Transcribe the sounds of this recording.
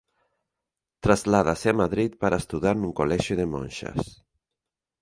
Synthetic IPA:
t̪ɾazlaðaseamaðɾit̪̚pəɾast̪uðaɾnuŋkolɛʒuðemo̰nʃa̰s

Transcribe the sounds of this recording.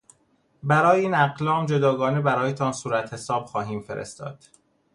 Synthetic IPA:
bæɾɒːjeiːnæɢlɒːmd͡ʒo̞d̪ɒːɡɒːnebæɾɒːjet̪ʰɒnsuːɾæt̪ʰhe̞sɒːb̥xɒːɦiːmfeɾḛst̪ɒ̰ːd̪̥

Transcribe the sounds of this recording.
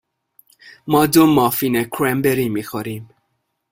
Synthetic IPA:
mɔdʊmɔfinɛkʰɾɛmbeɾimixɔɾim

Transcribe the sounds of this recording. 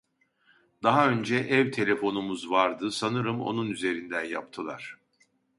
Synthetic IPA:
d̪aɦaø̞nd͡ʒɛʔɛvt̪ʰe̞lʲe̞fo̞numuzvaɾd̪ɯsanɯɾɯmo̞̰nunyze̞ɾind̪ænja̰p̚t̪ʰɯlˠa̰ɾ̥

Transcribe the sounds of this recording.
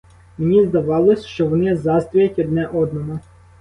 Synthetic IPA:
menʲizd̪ɐʋɑlˠɔsʲʃt͡ʃɔʋɔnɪɛzɑst̪ʲɔjɐtʲɔd̪nɛʔɔd̪nɔɦɔ

